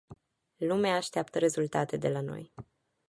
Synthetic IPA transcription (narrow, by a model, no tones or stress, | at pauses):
lumeaːʃt̪eapt̪əɾe̞zult̪at̪e̞d̪e̞lano̞̰j